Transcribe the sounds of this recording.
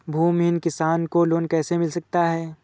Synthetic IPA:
bʱuːmɦɪnkɪsaːnkoloːnkɛːsemɪlsɐk̚t̪aɦɛː

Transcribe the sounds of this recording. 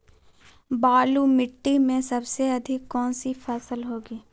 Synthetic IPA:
baːlumɪʈːimẽsɐbseɐd̪ʱɪkːɔːnsipʰɛsəlɦoːɡiː

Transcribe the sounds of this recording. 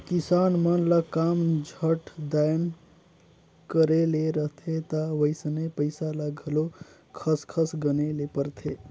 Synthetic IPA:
kisanmənləkamd͡ʒʱəʈd̪ajən | kəɾeleɾəɦt̪ʰet̪əʋəjsənepəɪsaləɡʱəlo | kʰəskʰəsɡənelepəɾt̪ʰe

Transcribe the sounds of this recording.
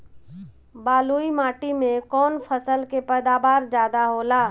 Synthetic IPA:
baːluimaːʈimẽkɔːnpʰəsəlkepɛːd̪aːbaːɾd͡ʒjaːd̪aɦoːlaː

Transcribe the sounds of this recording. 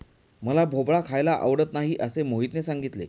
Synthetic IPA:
məlabʱobɭakʰajlaʔə̰ʋɽət̪naɦiʔəsemoɦit̪nesaŋɡit̪lḛ

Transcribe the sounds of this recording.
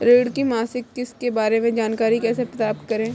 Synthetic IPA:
ɾeːɽkimaːsɪkːɪskebaːɾemẽd͡ʒaːnkaːɾikɛːsepɾɐt̪aːpt̪kɐɾẽː

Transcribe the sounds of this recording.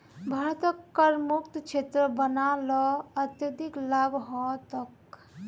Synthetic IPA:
bʱɐɾt̪əkːəɾmʊkt̪t͡ʃʰet̪ɾəbənaːlɔɐt̪jəd̪iklabʱɦɔt̪ək

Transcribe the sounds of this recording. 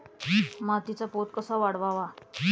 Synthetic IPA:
mat̪it͡sapot̪̚kəsaʋaɽʋaʋa

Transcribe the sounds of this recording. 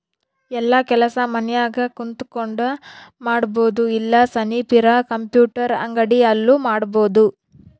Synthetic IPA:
ɛlːɐkɛlɐsɐmɐnɛjaːɡɐkunt̪u̥koɳɖɐmaːɽbo̞ːd̪uilːɐsɐnipiɾɐkɐmpjuːʈɐɾɐ̰ŋɡɐɽiɐlːumaːɽbo̞ːd̪u

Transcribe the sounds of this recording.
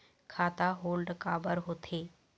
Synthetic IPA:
kʰaːt̪aɦoːlɖkaːbəɾɦoːt̪ʰeː

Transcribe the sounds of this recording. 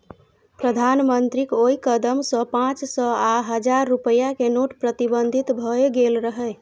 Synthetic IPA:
pɾəd̪ʱanmənt̪ɾikoikəd̪əmsə̃pãt͡ʃsəaɦəd͡ʒaɾːupəjakenoʈpɾət̪ibənd̪ʱit̪bʱəeɡelɾəɦɛ

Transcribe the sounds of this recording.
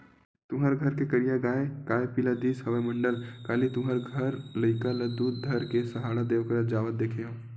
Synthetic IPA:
t̪ʊmɦəɾɡʱəɾkekəɾijaɡaːekaːepilad̪iːsɦəʋəmə̃ɳɖəlkaːlit̪ʊmɦəɾɡʱəɾlɐɪkaləd̪uːd̪̚d̪ʱəɾkesɐɦaːɽad̪eːʋkəɾət̪̚d͡ʒaːʋət̪̚d̪eːkʰeɦõː

